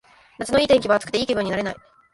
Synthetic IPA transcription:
nat͡sɨnoiːt̪ẽ̞ŋkʲibaat͡sɨ̥kɯ̟̥t̪eiːkʲebɯ̟ɲ̟ːinaɾe̞nai

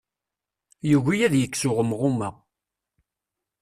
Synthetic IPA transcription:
juʝijæðjəkːsʊʁəmʁʊmæ

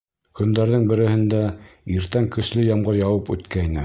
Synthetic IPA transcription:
kɵ̆nd̪æɾðɘŋbɘ̆ɾɘ̆hɘ̆nd̪æiɾt̪æŋkɵ̆slɵjɑmʁɤɾjɑwɤpʉ̰t̪kæinɘ

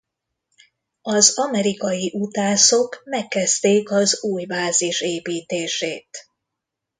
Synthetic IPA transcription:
ɒzɒmɛɾikɒjiʔut̪aːso̞kmɛkːɛzt̪eːkɒzuːjbaːziʃeːpiːt̪eːʃeːt̪

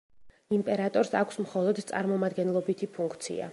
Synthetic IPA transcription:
impʼɛɾat̪ʼɔɾsakʷʰsmχɔlˠɔd̪t̪sʼa̰ɾmɔmad̪ɡɛnlˠɔbit̪ʰipʰuŋkʰt̪sʰḭa̰

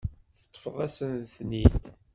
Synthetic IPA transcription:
θə̥t̪ˤːfəʁˤæsənθnid̪

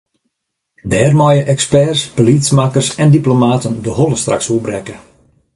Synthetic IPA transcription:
dɛːrmɔjəʔɛkspɛrspolismaːkərsɛndiplomaːtəndəɦoləstra̰ksuəbrɛkə

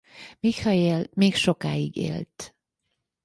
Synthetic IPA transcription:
mikhɒjeːlmeːkʃokaːiɡḛːlt̪

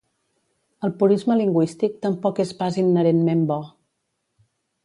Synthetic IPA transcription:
əlˠpuɾizməliŋɡwist̪ik̚t̪əmpɔkespazinːəɾenmembɔ

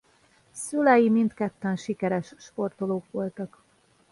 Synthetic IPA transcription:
sylɛjimint̪kɛt̪ːɛnʃikɛɾɛʃʃpo̞rt̪o̞loːkʋo̞lt̪ɒk

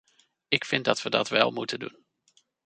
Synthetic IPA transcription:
ɪkfɪndɑtʋədɑ̰tʋɛlˠmutəndun

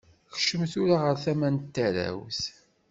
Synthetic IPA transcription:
xʃəmθuɾaʁəɾθæmænt̪ːæɾæ̰wθ

